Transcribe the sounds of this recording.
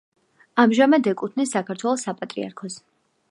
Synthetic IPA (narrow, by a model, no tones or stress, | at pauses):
amʒamad̪ɛkʼut̪ʰnisːakʰaɾt̪ʰwɛlˠɔsapʼat̪ʼɾḭa̰ɾkʰɔs